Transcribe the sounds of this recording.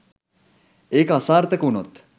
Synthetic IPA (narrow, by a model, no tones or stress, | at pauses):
ekasaːɾt̪ekunot̪